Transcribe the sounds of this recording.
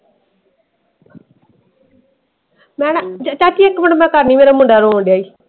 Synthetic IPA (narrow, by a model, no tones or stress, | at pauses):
mɛ̃ːnd͡ʒat͡ʃaːʈiːekːʋəɳmɛ̃ːkaɾniːmeːɾaːmʊɳɖaːɾoːõɳɖjaːiː